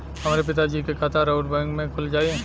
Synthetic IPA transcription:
hɐmaːɾep̬ɪt̪ad͡ʒiːkekʰaːt̪ʰaɾoʊʈbɛ̃ŋɡmẽkʰʊld͡ʒaːie

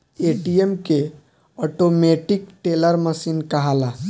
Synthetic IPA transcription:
eʈiemke | ɔʈomeʈikʈeləɾməsinkəɦala

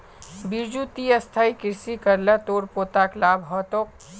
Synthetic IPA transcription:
biɾd͡ʒut̪iəst̪ʰaikɪɾsikəɾlət̪oːɾpoːt̪aklaːbɦɔt̪oːk̚

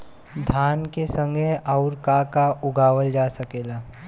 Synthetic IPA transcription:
d̪ʱaːnkesə̃ŋɡəʔaʊɾkakaʔʊɡaːʋəld͡ʒasəkeːlaː

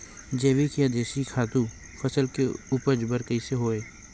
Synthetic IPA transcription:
d͡ʒeːʋikijad̪eːʃikʰaːt̪ũ | fʰəsəlkeuːpəd͡ʒbəɾkəiseɦoːeː

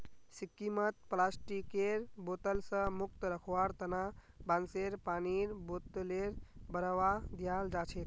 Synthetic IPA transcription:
sikːimət̪plasʈikeɾbot̪əlsə̃muk̚t̪ɾəkʰʋaɾt̪əna | banseɾpaniɾbot̪ːleɾbəɾəʋad̪ijald͡ʒat͡ʃʰet̪

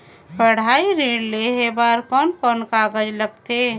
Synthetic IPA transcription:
pəɽ̤aiɾeɖleɦebaɾpənkənkaɡəd͡ʒləɡt̪e

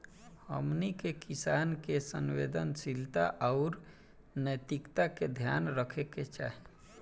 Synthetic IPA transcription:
hə̰mnikekisankesənwḛd̪ənsilt̪aʔaʊɾ | nəjt̪ikt̪aked̪ʱja̰nɾəkʰeket͡ʃa̰ɦn

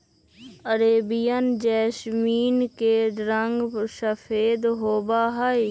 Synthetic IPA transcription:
əɾeːbɪjənd͡ʒɛːsmiːnkeɖɾəŋɡsəfʰeːd̪ɦoːbaːɦai

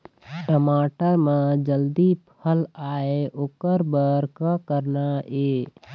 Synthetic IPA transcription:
ʈəmaːʈəɾmẽd͡ʒəld̪ipʰəlaːeʔoːkəɾbəɾkakəɾnaeː

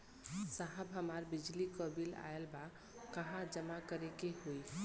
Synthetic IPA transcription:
saɦəbɦəmaɾbid͡ʒlikəbila̰elba | kəɦãd͡ʒəmakəɾekeɦoi

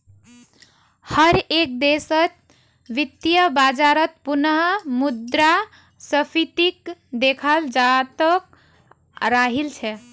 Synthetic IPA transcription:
həɾek̚d̪esət͡ʃ | ʋit̪jəbad͡ʒaɾət̪̚punəɦmud̪ɾa | səpʰit̪ikd̪ekʰald͡ʒat̪ək | ɾaɦilt͡ʃʰɛ

